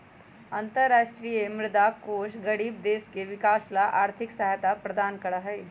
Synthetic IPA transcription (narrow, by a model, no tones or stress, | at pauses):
ɐ̃nt̪əɾːaːʃʈɾijemɾɪd̪akoːʃɡɐɽiːb̚d̪eːskeʋɪkaːʃlaʔaːɾt̪ʰɪksɐɦat̪apɾɐd̪aːnkɐɽaɦɛː